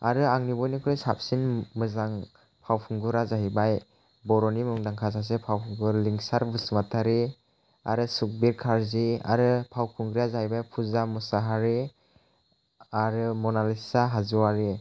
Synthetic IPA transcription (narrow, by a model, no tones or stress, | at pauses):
aɾɯaŋnibɔjnikʰɾesap̚sinmɯzaŋ | pʰawpʰuŋɡuɾazaɦibaj | bɔɾɔnimɯŋdaŋkʰas̬as̬epʰawpʰuŋɡɯɾliŋsaɾbusmatʰaɾi | a̰ɾɯsuk̚biɾkʰaɾzia̰ɾɯpʰawpʰuŋɡɾazahibajpʰuzamɔsaɦaɾe | aɾɯmɔnalisaɦazuwaɾe